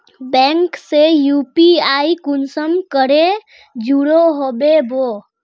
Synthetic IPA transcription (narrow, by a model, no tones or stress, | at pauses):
bɛ̃ŋksejupiaikunsəmkəɾe | d͡ʒuɽoɦobebo